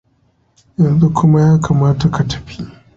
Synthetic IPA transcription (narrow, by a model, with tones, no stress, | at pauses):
jɐ˨nzu˦kʰʷʊ˦ma˦jaː˦kʰaː˨maː˦ta˨ka˨tɐ̥˦ɸi˦ʔ